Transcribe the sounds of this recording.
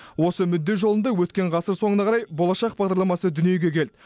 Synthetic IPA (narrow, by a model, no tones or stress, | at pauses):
wo̞səmʏd̪ːe̞ʒo̞lˠənd̪ɑwɵt̪kʲe̞ɴʁɑsəɾso̞ŋənɑʁʰɑɾɑjbo̞lˠɑʃɑq̚bɑʁd̪ɑɾlˠɑmɑsəd̪ʏnije̞ɡʲe̞kʲʰe̞ld̪ɪ